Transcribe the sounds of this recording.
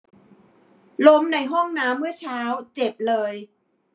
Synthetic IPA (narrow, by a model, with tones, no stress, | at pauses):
lo˦˥mna˧jɦɔ˥˩ŋnaː˦˥mːɯ˥˩ɐt͡ɕʰaː˦˥wt͡ɕe˨˩p̚lɤː˧j